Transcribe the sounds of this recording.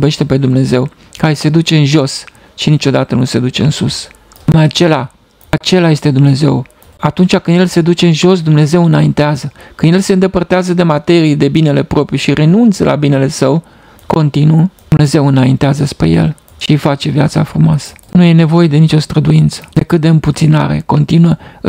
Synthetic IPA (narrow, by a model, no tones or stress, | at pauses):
be̞ʃt̪e̞pe̞d̪umne̞ze̞w | kaɾese̞d̪ut͡ʃe̞ɨnʒo̞s | ʃinit͡ʃo̞d̪at̪ənuse̞d̪ut͡ʃe̞ɨnsus | umajat͡ʃe̞la | at͡ʃe̞laje̞st̪e̞d̪umne̞ze̞̰w | at̪unt͡ʃʲakɨnd̪je̞lse̞d̪ut͡ʃe̞ɨnʒo̞s̬d̪umne̞ze̞wɨnaint̪eazəkɨnd̪jelse̞ɨnd̪e̞pərt̪eazəd̪e̞mat̪e̞ɾijd̪e̞bine̞le̞pɾo̞pɾiʃire̞nunt̪səlʔa̰bine̞le̞səw | ko̞nt̪inud̪umne̞ze̞wɨnaint̪eazəspɾḛje̞̰l | ʃifat͡ʃe̞vjat̪sa̰fɾumoasə̥nuje̞ne̞vo̞je̞d̪e̞nit͡ʃʲo̞st̪ɾəd̪uint̪sə̥d̪̥e̞kɨt̪̚d̪e̞ɨmput̪sina̰ɾe̞̰ko̞nt̪inuə